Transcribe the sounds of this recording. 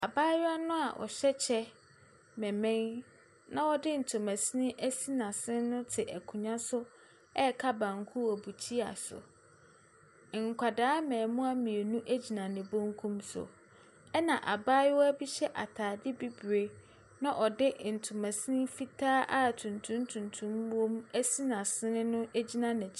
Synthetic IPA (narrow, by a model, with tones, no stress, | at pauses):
a˨baː˦jɪ˦a˦nʊ̃˦a˨ʔɔ̰˨ɕɛ˦t͡ɕʰɛ˦ | mɛ̃˨mɛ̃˦n | nã˦wɔ˦dɪ˦n̩˨tʰʊ̃˨mæ̃˨si˦nĩ˦ʔæ˦si˦nã˨sɪ̃˦nʊ̃˦tʰɪ˨ʔæ˨kʰũ˨ɲã˦sʊ˦ | ɛ˦kʰa˦bã˨ŋ˨˦kʰu˦ɔ˨bu˨t͡ɕʰi˦a̰˨sʊ̰˨ | ŋ˨kʷʰa˨daː˦mɛ̃ː˨mʊ̃˦a˦mĩ˨e˨nũ˦ʔæ˦d͡ʑi˨nã˨nɪ̃˨bõ˦ŋ˦kʰũ˦msʊ̰˨ | ɛ˦nã˨ʔa˨baː˦jɪ˦wɔ˦æ˦bi˦ɕɛ˦ʔa˨tʰaː˨dɪ˦bi˦bɾe˨ | nã˦ʔɔ˨dɪ˦n̩˨tʰʊ˨mæ̃˨si˦nɪ̃˦fi˦tʰaː˦ʔa˦˨tʰũ˨ntʰũ˦n˦tʰũ˨ntʰũ˦m˦õ˦m˦æ˦si˦nã˨sɪ̃˦nɪ̃˦nʊ̃˦ʔæ˦d͡ʑi˦nã˨nɪ̃˨t͡ɕʰ